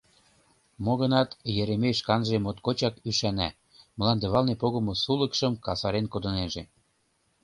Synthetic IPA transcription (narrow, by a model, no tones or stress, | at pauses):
moɣə̆nɑt̪jĕɾemeʃkɑnʒemot̪kot͡ɕɑkyʃænæ̰ | mə̆lɑnd̪eβɑlnepoɣə̆mŏsulə̆kʃə̆mkɑsɑɾenkod̪ɤ̆neʒe